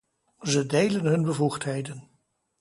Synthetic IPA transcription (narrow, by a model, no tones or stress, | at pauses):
zədejlənɦɵnbəvuχtɦejdən